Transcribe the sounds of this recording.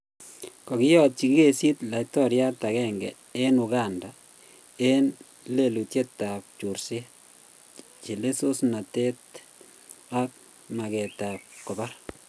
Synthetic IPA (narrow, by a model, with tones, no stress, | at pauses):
kɔ˨kɪ˦jɔ˦t̚t͡ʃi˨ki˦ɡe˨si˦tla˨itɔ˦ɾja˦ta˨kɛ˦ŋɡɛ̰˨ | e˦nʊɡanda | e˦n | le˨lu˨te˦tːa˨p̚t͡ʃu˨ɾsi˦ | t͡ʃi˨le˦so˦sna˨te˦t | a˦k̚ | ma˨kɛ˨tap̚kɔ˨ba˦r